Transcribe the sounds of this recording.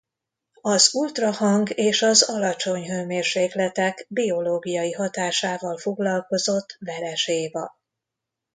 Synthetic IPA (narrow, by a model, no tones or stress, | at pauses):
ɒzult̪rɒhɒŋɡeːʃɒzɒlɒt͡ʃo̞ɲɦøːmeːrʃeːklɛt̪ɛɡbio̞loːɡijɒjiɦɒt̪aːʃaːvɒlfo̞ɡlɒlko̞zo̞t̪ːvɛɾɛʃeːvɒ